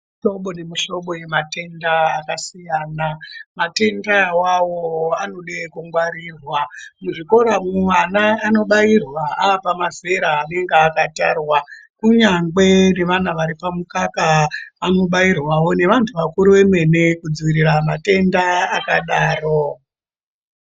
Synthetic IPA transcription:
ʃo̞ɓonemiʃo̞ɓo̞je̞mate̞ndaːkasijaːnamate̞ndawawoanoɗekuŋɡwaɾiːrwamuʐiko̞ɾamuwanaːno̞ɓairwaaːpamafe̞ɾaːne̞ŋɡeːkata̰ːrwakuɲaŋɡe̞ne̞ʋanaʋaɾipamukakaːno̞ɓairwawo̞ne̞ʋantʰuʋakuɾiʋe̞me̞ne̞kud͡ziʋiɾiramate̞ndaakaɗaːro

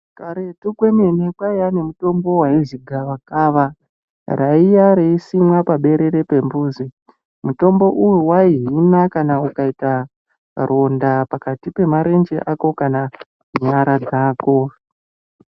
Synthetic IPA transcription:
kaɾe̞tukwe̞ne̞nekwaiane̞muto̞mbo̞waiʐiɡʱaʋakaːʋa | raijaɾeisimwapaɓe̞ɾe̞ɾe̞pe̞mbuːzi | muto̞mbo̞ʔujuwaiɦinakanaukaita | rʔo̞ndapakatipe̞maɾe̞nd͡ʒeʔako̞kana | ɲaɾad͡zaːko̞

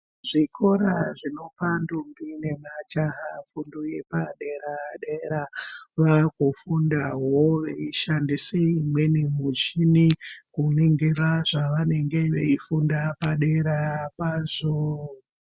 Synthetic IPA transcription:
ʐikʰo̞ɾaʐino̞pandumbine̞mat͡ʃaɦafunduje̞paɗe̞ɾaɗeɾaʋakufundaɦoʋeiʃandiseimwe̞nimut͡ʃinikuniŋɡiraʐaʋane̞ŋɡe̞ʋeifundapaɗeɾapazo

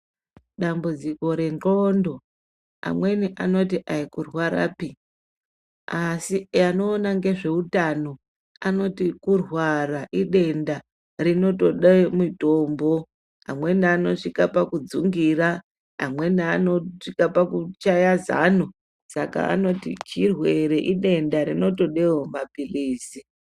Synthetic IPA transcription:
ɗambud͡ziko̞ɾe̞nro̞ndo̞ | a̰mwe̞niʔano̞tiʔaikurwaɾa̰ːpi | asijano̞ːnaŋɡe̞ʐe̞utano̞ | ano̞tikurwaɾaʔiɗe̞nda | rino̞to̞ɗemito̞ːmbo̞ | a̰mwe̞naaːno̞ʂikapakud͡zuŋɡiɾa | a̰mwe̞naːno̞ʂikapakut͡ʃajaza̰nu | saka̰a̰no̞tḭt͡ʃirwe̞ɾe̞ʔiɗe̞ndaɾino̞to̞ɗeomapiliːsi

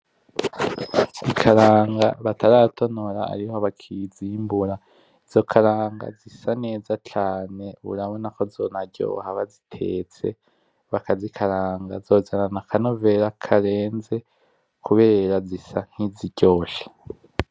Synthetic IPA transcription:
ikʰaɾaːŋɡaβataɾatʰo̞noɾaa̰ɾihoβakʰiziːmbuɾa | iz̥o̞kʰaɾaːŋɡa̰zisane̞ːzat͡ʃaːne̞uɾaβonako̞zo̞naɟo̞̰haβazitʰe̞̰t͡se̞̰ | βakazikʰaɾaːŋɡazoːzananakʰanove̞ɾakʰaɾe̞ːnze̞ | kʰuβe̞ːɾazisan̥hiziɟo̞ːʃḁ

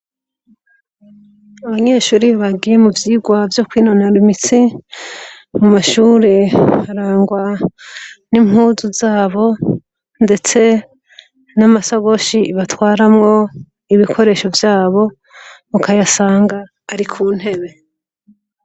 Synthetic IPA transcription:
aβaɲe̞ːʃuːɾiβaɡijemuvjiːɡwavjo̞kwiːnonaɾimit͡si | mumaʃuːɾe̞haɾaːŋɡwa | nimuːzuzaːβo̞ | nde̞t͡se̞ | namasaɡo̞ʃiβatwaːɾamŋo̞ | iβikʰo̞ɾe̞ːʃo̞vjaːβo̞ | mukajasaːŋɡaː | ɾikʰuːn̥he̞βe̞

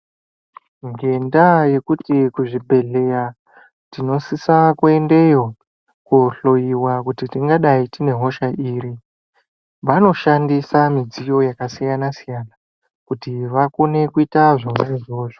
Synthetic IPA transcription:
ŋɡe̞ndaje̞kutikuʐibʱe̞ɮe̞ja | tino̞sisakue̞nde̞jo̞ | kuɬo̞jiwakutitiŋɡaɗaitine̞ɦo̞ʃaʔiːɾi | ʋano̞ʃandisamid͡zijo̞jakasijanasijaːna | kutiʋakone̞kuitaʐomaiʐo̞ːʐo

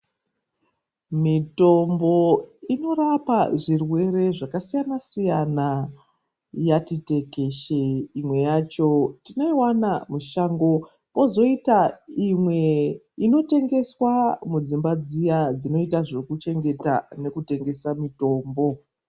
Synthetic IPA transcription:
mito̞mbo̞ino̞ɾapaʐirwe̞ɾe̞ʐakasijanasijana | jatite̞ke̞ʃeimwe̞jaːt͡ʃo̞tino̞iwanamuʃaːŋɡo̞ | po̞zo̞itaimwe̞ | ino̞te̞ŋɡe̞swamud͡zimbad͡zijad͡zino̞itaʐe̞kut͡ʃe̞ŋɡe̞ta̰ne̞kute̞ŋɡe̞samito̞ːmbo̞

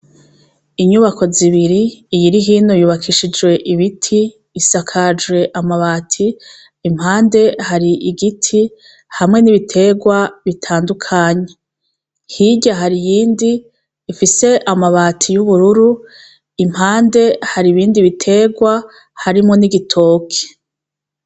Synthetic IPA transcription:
iɲuβako̞ziβiɾiːjiɾiɦiːno̞juːβakʰiʃid͡ʒwe̞ʔiβitʰiː | sakʰad͡ʒwe̞ʔamaβaːtʰiː | m̥haːnde̞haɾiʔiɡitʰi | hamŋe̞niβitʰe̞ɡwaβitʰaːndukʰaːɲe | hiɟaɦaɾijiːndiː | fise̞ʔamaβatʰijuβuɾuɾu | im̥haːnde̞haɾiβiːndiβitʰe̞ːɡwa | haɾimŋo̞niɡitʰo̞ːkʰe̥

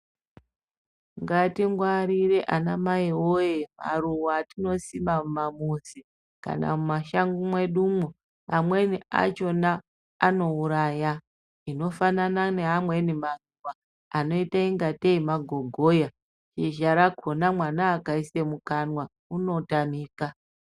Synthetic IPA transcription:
ŋɡatiŋɡwaɾiɾe̞ʔanamaiwojema̰ruwaːtino̞simammamuzi | ka̰na̰mumaʃaŋɡumwe̞ɗumu | ɦamwe̞nia̰t͡ʃo̞naː | no̞uɾaːja | ino̞fananane̞ɦamwe̞nimaruwa | ano̞itaiŋɡateimaɡʱo̞ɡʱo̞ja | t͡ʃiʒaɾakonamwanaːkaisemukanwa | uno̞tamiːka

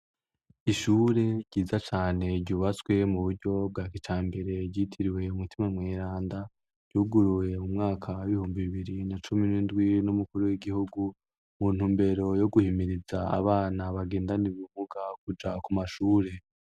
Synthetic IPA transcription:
iʃuːɾe̞ɟ̥iːzat͡ʃaːne̞ɟɟuːβat͡swe̞muβuɾɟo̞b̚ɡaːkit͡ʃaːmbe̞ɾe̞ɟiːtʰiɾiwe̞umutimamŋeːɾaːnda | ɟ̥uːɡuɾuje̞umŋaːkʰawiβihuːmbiβiβiɾinat͡ʃuminiːndɡwinumukuɾuwiɡihuɡu | muːn̥huːmbe̞ɾo̞jo̞ɡuhimiɾizaa̰βaːnaβaɡe̞ːndaniβumuɡak̚ud͡ʒakumaʃuːɾe̞

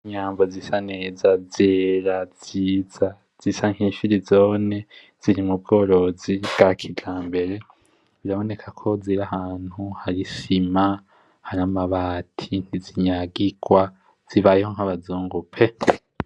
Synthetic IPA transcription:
ɲaːmbozisane̞ːzazeɾaz̥iːza | z̥isaŋhiʃiɾizoːne̞ | z̥iɾimub̚ɡo̞ːɾo̞zibɡ̥akʰiɟaːmbe̞ɾe̞ | βiɾaβo̞ne̞kʰakʰo̞ziɾahaːn̥huhaɾisima | haɾamaβaːtʰin̥iziɲaɡiɡ̥wa | z̥iβajehoŋ̥haβazuːŋɡupʰe̞

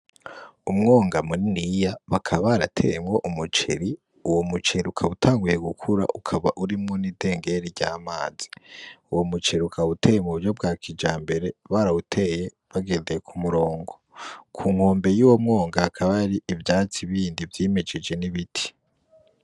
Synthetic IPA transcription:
umŋo̞ːŋɡamuɾinijaβakʰaβaɾatʰe̞̰jemɡo̞ʔumut͡ʃḛɾi | uwo̞mut͡ʃeɾiukʰaβutʰaːŋɡuje̞ɡukʰuɾa̰ʔukʰaβaʔuɾimŋo̞niːde̞ːŋɡe̞ɾiɾɟaːmaːz̥iuwo̞mut͡ʃeɾiukʰaute̞ːjemuuɾjo̞b̚ɡaːkid͡ʒaːmbe̞ɾe̞βaːɾautʰe̞ːje̞ | βaɡe̞ːndejekʰumuɾo̞ːŋɡo̞kʰuːŋ̥ho̞ːmbe̞juːwo̞mŋo̞ːŋɡaakʰaβaɾiʔivjaːt͡siβiːndivjiːme̞d͡ʒe̞d͡ʒe̞niβitʰi̥

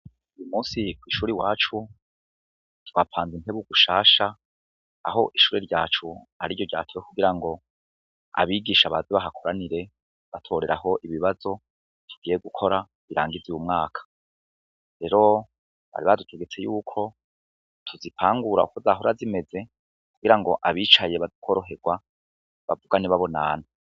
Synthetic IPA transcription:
ujumuːsikwiːʃuːɾiwaːt͡ʃu | ttwapʰaːnzine̞βuɡuʃaːʃa | a̰ɦo̞ʔiʃuːɾeɾɟaːt͡ʃu | a̰ɾiɟoɟa̰ːtʰoekuɡiɾaŋɡo̞ | a̰βiːɡiːʃaβaziβaɦakʰo̞ɾaniɾe̞ | βatʰo̞ːɾe̞ɾa̰ɦo̞ʔiβiβazo̞ | tʰu̥ɡ̥iːjeɡukʰo̞ɾa | βiɾa̰ːŋɡiziwumŋaːkʰḁ | ɾe̞ɾo̞ | βa̰ɾiβadutʰeɡe̞t͡se̞juːkʰo̞ | tʰuzipʰaːŋɡuɾa̰ukuzaɦoɾazime̞ze̞ | kuɡ̥iɾaŋɡo̞ʔaβiːt͡ʃajeβazikʰo̞ːɾo̞ɦe̞ɡwa | βa̰vuɡaniβaβo̞na̰na

